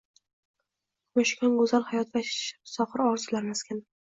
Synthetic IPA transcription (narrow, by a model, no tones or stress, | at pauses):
maʃkʰʲɒnɡʊzalˠhajɒt̪vasɒqɨɾɒɾzɪlaɾmaskʲan